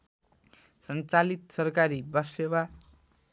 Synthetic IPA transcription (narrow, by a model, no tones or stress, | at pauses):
sʌnt͡salit̪sʌrkaɾibʌsewa